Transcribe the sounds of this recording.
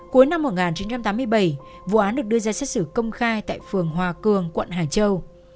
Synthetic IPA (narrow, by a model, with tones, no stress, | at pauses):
ku˨˦jna˧mːo˨˩t̚ŋaː˨˩nt͡ɕi˨˦nt͡ɕa˧mt̪aː˨˦mɨ˧əjɓə˧˩j | vṵ˧˨ʔaː˨˦nɗɨ˨˩k̚ɗɨ˧əzaː˧sɛ˦˥t̚sɨ˧˩kə˧wŋ͡mxaː˧jt̪a̰ː˧˨jfɨ˨˩əŋɦwaː˨˩kɨ˨˩əŋkwə̰˧˨nɦaː˨˩t͡ɕə˧w